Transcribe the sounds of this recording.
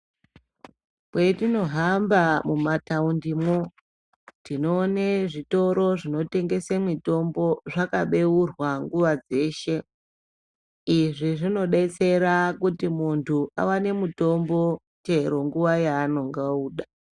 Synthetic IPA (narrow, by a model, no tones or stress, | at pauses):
kwetino̞ɦambamumataundimwo | tino̞ːneʐito̞ɾo̞ʐino̞te̞ŋɡe̞semito̞mbo̞ʐakaɓe̞urwaŋɡuʋad͡ze̞ːʃe̞ | iʐiʐino̞ɗet͡se̞ɾakutimuntʰuʔa̰wane̞muto̞mbo̞ | t͡ʃe̞ɾo̞ŋɡuʋajaːno̞ŋɡauːɗa